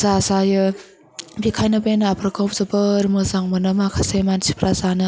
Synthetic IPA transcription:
zazajɯ | bikʰajnabenaapʰɾakʰop̚zɯbɯɾmɯzaŋmɯnɯmakʰasemansi̥pʰɾʔazanɯ

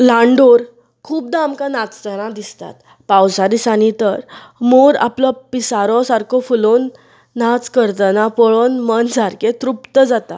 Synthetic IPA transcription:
lãɳɖoɾ | kʰuːp̚d̪amkãnat͡st̪əɽ̃ãd̪ist̪a̰t̪ | pawsad̪isanit̪əɾ | moɾa̰plɔpisaɾɔsaɾkʰɔfulonː | at͡skəɾt̪ənãpɔɭonmənd͡zaɾket̪ɾupt̪əd͡zat̪a̰

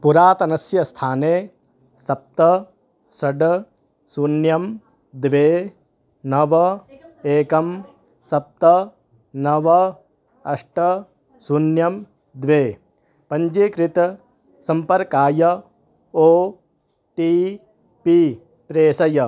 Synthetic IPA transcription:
puɾaːt̪ɐnɐsjɐst̪ʰaːneː | sɐp̚t̪ɐ | sɐɖɐ | sunjɐm | d̪ʋeː | nɐʋɐeːkɐm | sɐp̚t̪ɐ | nɐʋɐ | ɐʂʈɐ | sunjɐm | d̪ʋeː | pɐɲd͡ʒekɾɪt̪ɐ | sɐmpɐɾkaːjɐ | oː | ʈiː | piː | pɾeːsɐjɐ

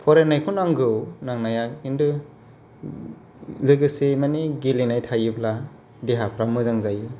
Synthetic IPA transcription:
pʰɔɾenajkʰunaŋɡɯwnaŋnajak̚indɯ | lɯɡɯsemaniɡilinajtʰajɯbla | deɦapʰɾamɯzaŋzajɯ

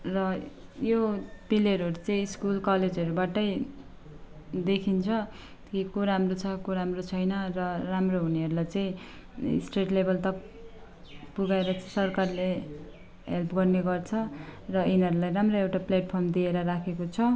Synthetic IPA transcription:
rʌjopileɾuɦʌɾut͡sʌĩiskulkʌled͡zʌɾubaʈʌj | d̪ekʰint͡sʰʌ | kikoɾamrot͡sʰʌkoɾamrot͡sʰʌjnʌrʌramroɦuniʌɾulajt͡sʌḭ̃ | sʈreʈlebʌlt̪ʌk | puɡaeɾʌt͡sʌĩsʌrkarle | ɦḛlpʰɡʌrneɡʌrt͡sʰʌrʌinɦʌɾulajramroewʈapleʈ̚pʰʌrmd̪ieɾʌɾakʰekot͡sʰʌ

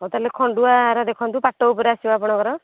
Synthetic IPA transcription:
ɦɔt̪alekʰɔɳɖuaɾɔd̪ekʰɔnt̪upaʈɔpɔɾeasibapɔɽ̃ɔkɔɾɔ

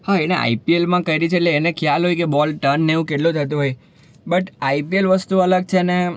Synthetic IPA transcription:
haeneʔa̰ipielmãkəjɾit͡ʃʰeːʈleːnekʰjalɦojkebɔlʈənːeʋũkeʈlũt̪ʰət̪̬ũɦoj | bəʈaipielʋəst̪uələɡ̚t͡ʃʰene

